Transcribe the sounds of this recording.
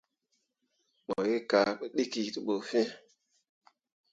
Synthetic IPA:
mo˨je˦ka˨ɓə˦ɗi˦ki˨ti˦ɓo˨fẽ˦

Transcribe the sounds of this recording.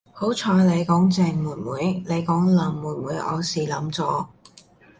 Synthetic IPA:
ho˨˥wt͡ʃʰɔː˨˧jle˨˧jkɔː˨˥ŋt͡sɛː˨˧ŋmuː˨˩nwuː˨˥jle˨˧jkɔː˨˥ŋlɐ˨˧mːuː˨˩nwuː˨˥jʔɔ̰ː˨˧siː˨˩lɐ˨˥mt͡sɔː˨˧

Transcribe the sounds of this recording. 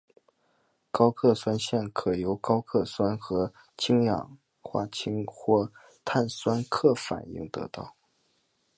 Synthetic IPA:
kɑ˥ʊkʰɤ˥˩swa˥nɕjɛ˥˩nkʰɤ˨˩jo˧˥ʊkɑ˥ʊkʰɤ˥˩swa˥nxɤ˧˥ | t͡ɕʰi˥ŋjɑ̰˨˩ŋ | xwa̰˥˩t͡ɕʰi˥ŋxwɔ˥˩ | t̪ʰa˥˩nswa˥nkʰɤ˥˩fa̰˨˩˦nḭ˥˩ŋt̪ɤ̰˧˥t̪ɑ̰˥˩ʊ

